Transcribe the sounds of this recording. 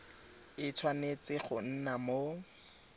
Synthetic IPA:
ɪt͡sʰwanet͡sɪχʊn̩namo

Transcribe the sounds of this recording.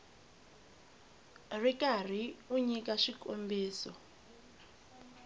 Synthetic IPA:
rikar̤iuɲikaʃikʼombiːsɔ

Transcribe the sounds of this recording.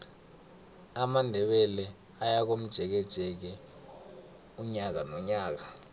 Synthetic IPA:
amandʱɛɓɛlɛ | ajak̬om̩d̥ʒ̥ʱɛk̬ɛd̥ʒ̥ʱʼɛk̬ɛ | uɲak̬anɔɲaːk̬a

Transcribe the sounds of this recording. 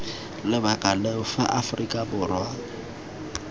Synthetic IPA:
lɪbakʼalɛʊfa̰ʔafʊrikʼabʊrwa

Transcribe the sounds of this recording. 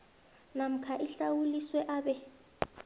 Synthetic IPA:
nam̩kʰaʔiɬawuliswɛʔaːɓɛ

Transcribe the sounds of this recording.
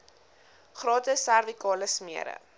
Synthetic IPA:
χrɑːtəsærvikɑːləsmiəɾə̰

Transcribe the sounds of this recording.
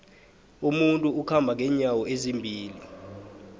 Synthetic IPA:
umuntʼuukʰambʱaŋʱɛɲawɔezimbʱiːli

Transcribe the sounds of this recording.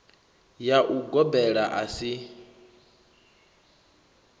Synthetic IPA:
jaʔuɡɔbɛɺaʔasi

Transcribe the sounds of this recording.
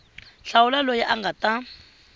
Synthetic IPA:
ɬawulalojiʔaŋɡata

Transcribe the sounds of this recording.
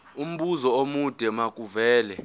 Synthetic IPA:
um̩ɓuzɔomud̥ʱɛmakʼuvɛːlɛ

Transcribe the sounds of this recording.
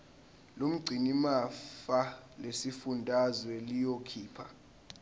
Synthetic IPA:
lom̩ɡ͡ǀʱinimafalesifundʱazwɛlijokʰiːpʰa

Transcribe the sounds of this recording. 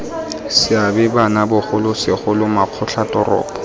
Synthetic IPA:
sɪabɪbanabʊχʊlʊsɪχʊlʊmaq͡χʰʊɬʰatɔrɔ̰ːpɔ̥

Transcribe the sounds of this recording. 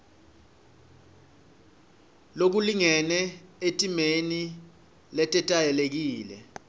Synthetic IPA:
lok̬uliŋɛnɛetʼimeni | lɛtʼɛtʼajɛlek̬iːlɛ̰

